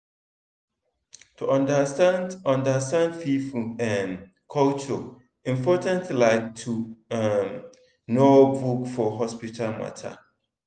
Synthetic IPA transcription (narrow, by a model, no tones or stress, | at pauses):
tʰuʔãndasanãndastãndfifuɛ̃n | kʰɔlt͡ʃɔ | ĩmpʰɔtʰãntlaɪktʰuam | nobukfɔɦɔspitʰalma̰tʰa̰